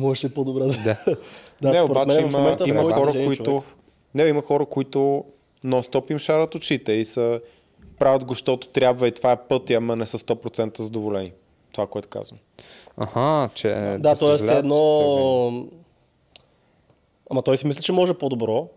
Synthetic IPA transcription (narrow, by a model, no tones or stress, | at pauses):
mɔʒɛʃɛpod̪obɾɛd̪d̪ad̪anɛoɾbamɛɛiməmɛ̃t̪imɐxɔɾəkoiʊ | nɛimɐxɔɾəkoit̪ʊ | nost̪ɔpimʃaɾət̪ot͡ʃit̪ɛisə | pɾavʲəd̪ɡoʃt̪ɔt̪ʊ̥t̪ɾʲjabvɐit̪ovaɛpɤt̪iɐmɐnɛsəst̪ɔpɾot̪sɛnt̪əzɐd̪ovolɛni | t̪ovakoɛt̪ʊ̥ka̰zvəm | a̰hat͡ʃɛ̰d̪at̪ɔjɛslɛɛːd̪nɔ | amɐt̪ɔjsimislɛt͡ʃɛmɔʒɛpod̪obɾɔ